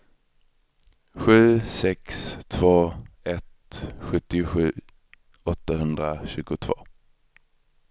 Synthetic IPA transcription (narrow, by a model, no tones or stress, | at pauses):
ɧʉ̟ːsɛkst̪ʰvoːɛt̪ɧɵt̪ːɪɧʉ̟ː | ɔt̪ːahɵnd̪ɾaɕʉ̟ːɡʊt̪ʰvo̰ː